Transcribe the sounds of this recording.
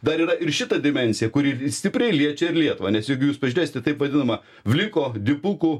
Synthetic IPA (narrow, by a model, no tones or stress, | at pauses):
d̪ɐɾiːɾɐʔɪɾʃʲɪt̪ɐd̪ʲɪmʲɛnʲsʲɪjɛkʊɾʲiːsʲt̪ʲɪpʲɾʲɛɪlʲiɛt͡ʃʲɛɪɾlʲiɛt̪ʊʋɐːnʲɛsjɛɪɡʊjuːspɐʒʲʊɾʲeːsɪt̪ʲɛt̪ɐɪpʋɐd̪ʲɪnɐmɐ | ʋʲlʲɪkoːd̪ʲɪpʊku